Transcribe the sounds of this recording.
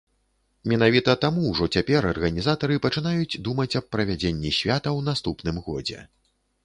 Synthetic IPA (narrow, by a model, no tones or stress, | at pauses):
mʲɛn̪avʲit̪ɐt̪amuwʐɔt͡sʲapʲɛɾɐrɣɐnʲizat̪ɐɾɨpɐt͡ʂɨnajud͡zʲd̪umɐt͡sʲɐpːɾɐvʲad͡zʲenʲːisʲvʲat̪ɐwnast̪upnɨmɣɔ̰d͡zʲɛ̰